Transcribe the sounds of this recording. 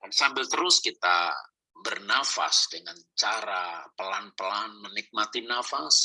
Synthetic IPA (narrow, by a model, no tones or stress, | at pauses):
kansabɪlt̪əɾʊskit̪a̰ | bərnafa̰sdəŋant͡ʃaɾapəlanpəlanmənik̚mat̪inafas